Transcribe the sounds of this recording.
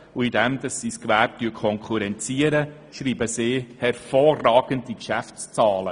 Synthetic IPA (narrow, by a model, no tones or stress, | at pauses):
uidɛmdɑsːiskʋæːp̚tyːkʰɔŋkχuɾɛnt͡siəɾə | ʃɾiːbəsɪːhɛɾfɔːrɑːɡ̥əndikʃæft͡st͡sɑːlə